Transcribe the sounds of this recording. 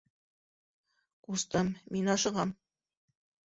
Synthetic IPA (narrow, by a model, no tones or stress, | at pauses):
ust̪ɤmminɑʃɤ̆ʁɑm